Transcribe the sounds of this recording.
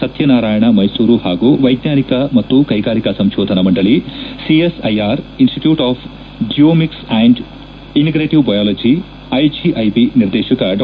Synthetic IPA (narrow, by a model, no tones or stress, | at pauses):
sɐt̪ʰjɐnaːɾaːjɐɳɐmɐjsuːɾuhaːɡuʋɐjd̪njaːnikɐmɐt̪ːukɐjɡaːɾikɐsɐmʃɔːd̪ʱɐnɐmɐɳɖɐɭisiesɐjaːɾinsʈiʈjuːʈaːpʰ | ɖijoːmiksɛːɳɖ | iniɡɾeːʈiʋbɐjaːlɐd͡ʒi | ɐjd͡ʒiʔɐjbiniɾd̪ɛːʃɐkɐɖ